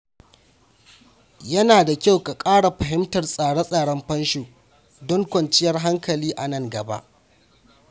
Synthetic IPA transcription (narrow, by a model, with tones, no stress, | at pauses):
jɐ˦naː˨da˨kʲa˦wka˨kʼaː˦ɽa˨ɸɐ˨ɦɪ˦mtɐ˨rsʼaː˨ɽɐ˦sʼaː˨ɽɐ˦mɸɐ˦nʃoː˨ | dɔ˦ŋkʷɐ˨nt͡ʃɪ˦jɐ˦rɦa˦ŋkɐ˨liː˦ʔa˨nɐ˦˨ŋɡɐ˨ba̰˦ʔ